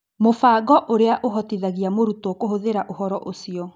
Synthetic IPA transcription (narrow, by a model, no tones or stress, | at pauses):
mofaːɡɔʔoɾeaʔoɦɔtiðaɣiamoɾutɔkoɦoðeɾaʔohɔɾɔʔosiɔ